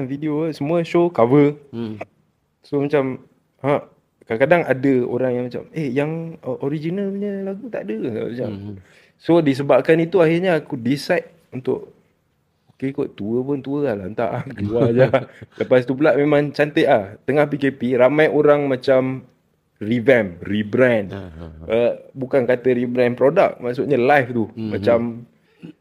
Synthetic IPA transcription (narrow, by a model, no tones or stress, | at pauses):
nfidiosəmũəʃokavə | somat͡ʃam | ha | kakadaŋadəo̰ɾaŋjaŋmat͡ʃa̰mehjaŋʔoɾid͡ʒinalɲəlaɡut̪a̰ʔdəmat͡ʃa̰m | sodis̬əbap̚kanit̪uahirɲaakudisajt̪̚ | unt̪ʊ̰ʔ | okekoʔt̪uəpʊnt̪uəlalant̪a̰ʔkəluad͡ʒaləpast̪up̬ulaʔmemãŋt͡ʃant̪əʔlaht̪əŋahpikepiɾamajoɾaŋmãt͡ʃam | rivɛnribɾɛnəbukankat̪əɾibɾɛnpɾoda̰k̚maʔsuʔɲalajft̪umat͡ʃam